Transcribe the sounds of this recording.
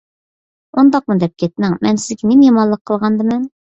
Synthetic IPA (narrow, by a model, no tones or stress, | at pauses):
ond̪ɑq̚mud̪ɛp̚kʲʰɛt̪̚nɪŋmɛnsɪzɡʲɛnemjɑmɑnlˠːəqʰːəlˠʁɑnd̪ɨmɛn